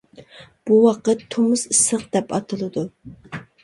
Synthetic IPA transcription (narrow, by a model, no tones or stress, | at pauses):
b̥uwɑqət̪ʰːomʊsɨsəqd̪ɛpɑ̰t̪ʰɨlˠɨd̪u